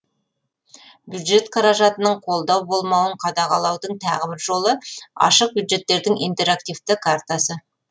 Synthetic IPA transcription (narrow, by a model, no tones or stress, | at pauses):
bjud̪ʒe̞t̪qʰɑɾɑʒɑt̪ənəɴqʰo̞lˠd̪ɑwbo̞lˠmɑwəɴqʰɑd̪ɑqɑlˠɑwd̪əɴt̪ʰɑ̰ʁəbɪɾʒo̞lˠəɑ̰ʃəq̚bjud̪ʒe̞t̪ːe̞ɾd̪ɪŋijnt̪e̞ɾakt̪ijft̪ɪkʰaɾt̪asə